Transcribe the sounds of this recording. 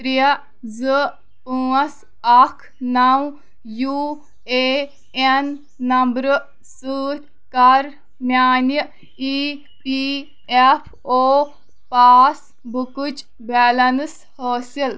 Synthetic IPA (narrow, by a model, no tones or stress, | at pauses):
ɾijɐ | zɨ | ũːɐs | ɐkʰ | nɐw | juː | eː | enː | ɐmbɾɨ | sɨːt | kɐɾ | njaːnjə | i | pi | epʰ | oː | paːs | bukut͡ʃ | bɛːlɐns | həːsil